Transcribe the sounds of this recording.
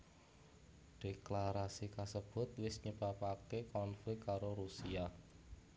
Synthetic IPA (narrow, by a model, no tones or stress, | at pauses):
ɖ̥eklaɾasikasəb̥ʊ̤t̪̚wɪsɲəb̥apakekɔnflɪk̪kaɾoɾusia